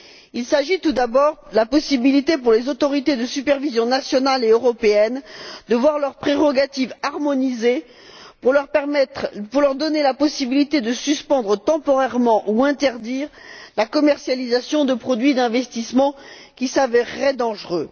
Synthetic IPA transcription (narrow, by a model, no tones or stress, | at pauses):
ilsaʒit̪ud̪abɔʁəlapɔsibilit̪epuʁlezot̪ɔʁit̪ed̪əsypɛʁvizjɔ̃nasjɔnaleøʁɔpeɛnd̪əvwaʁlœʁpχeʁɔɡat̪ivaʁmɔnize | pulœʁmɛpuʁlœʁd̪ɔnelapɔsibilit̪ed̪əsyspɑ̃d̪ʁət̪ɑ̃pɔʁɛʁmɑ̃ʔuɛ̃t̪ɛʁd̪iːʁlakɔmɛʁsjalizasjɔ̃d̪əpχɔd̪ɥid̪ɛ̃vɛst̪ismɑ̃ | kʲisavɛʁːɛd̪ɑ̃ʒʁø